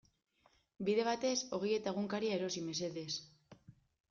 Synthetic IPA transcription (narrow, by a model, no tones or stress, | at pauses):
biðe̞βat̪e̞so̞ɣeje̞t̪aeɣuŋkaɾiaeɾo̞sime̞se̞ðe̞s